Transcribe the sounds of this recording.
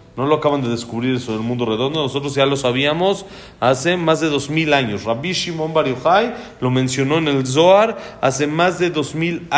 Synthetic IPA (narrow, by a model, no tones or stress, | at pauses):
no̞loakaβand̪e̞ðeskuβɾiɾesoðelmũnd̪o̞re̞ðo̞nd̪ono̞s̬o̞t̪̬ɾo̞zʝalo̞saβ̞iamo̞s | ase̞mazðe̞ðo̞zmilaɲo̞sraβiʃimo̞mbaɾjoxajlo̞mẽ̞nsjo̞no̞ene̞lz̬o̞aɾa̰se̞mazðe̞ðo̞zmil